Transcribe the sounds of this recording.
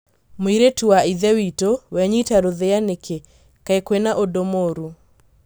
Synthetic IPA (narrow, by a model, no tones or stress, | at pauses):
moiɾetuaiðɛwitowɛɲitaɾoðeaneke | kaekwenaʔodomoɾu